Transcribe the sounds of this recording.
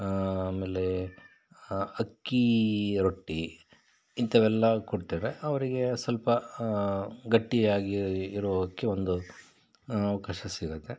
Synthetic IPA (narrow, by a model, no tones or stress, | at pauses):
ameːle | ɐkːiɾoʈːi | int̪ɐʋɛlːɐkoɽt̪aɾeʔɐʋɐɾiɡe̞sɐlpɐ | ɡɐʈːijaːɡiːɾuʋɐdɐkːe̞ond̪u | ɐʋɐkaːʃɐsiɡɐt̪ːe̞